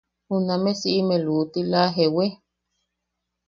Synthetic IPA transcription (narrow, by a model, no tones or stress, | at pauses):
hunamesiʔimeluʔt̪ilaɦewe